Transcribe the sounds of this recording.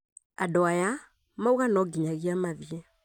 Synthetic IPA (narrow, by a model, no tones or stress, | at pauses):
adɔaja | mauɣanɔɡiɲaɣiamaviɛ